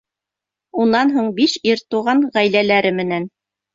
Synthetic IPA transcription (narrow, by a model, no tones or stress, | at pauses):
unɑnɦuɴbiʃiɾt̪uʁɑɴʁæjlælæɾɘmɘ̆næn